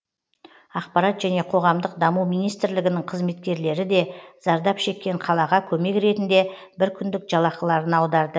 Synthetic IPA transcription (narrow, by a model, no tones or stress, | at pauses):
ɑqpɑɾɑt̪ʒ̥æne̞qʰo̞ʁɑmd̪əqd̪ɑmuwmijnijst̪ɪɾlɪɡʲɪnɪɴqʰəzme̞t̪kʲe̞ɾle̞ɾɪd̪e̞z̥ɑɾd̪ɑpʃe̞kʲːe̞ɴqʰɑlˠɑʁɑkʲʰɵme̞kɾe̞t̪ɪnd̪e̞ | bɪɾkʲʰʏnd̪ɪkʒ̥ɑlˠɑqəlˠɑɾənɑwd̪ɑɾd̪ə